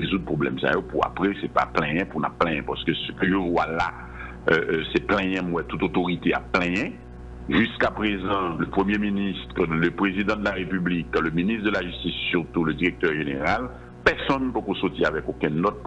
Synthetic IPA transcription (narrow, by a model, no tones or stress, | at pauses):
ezud̪̚pʁoblɛ̰msa̰jopuʁa̰pʁɛsɛpaplɛ̃jɛ̃puʁna̰plɛ̃jɛ̃paʁsə̥kəsə̥kəʒəvwala | øʔsɛplɛ̃jɛ̃mwɛt̪ut̪ot̪oʁit̪ea̰plɛ̃jɛ̃ | ʒyskapʁezɑ̃ləpχəmjeminist̪ʁələpʁezid̪ɑ̃d̪əlaʁepyblikləministχd̪əlaʒyst̪isːyʁt̪uləd̪iʁek̚t̪œʁʒeneʁal | pɛʁsɔnːpokosot̪iavɛkokɛ̃nɔt̪̚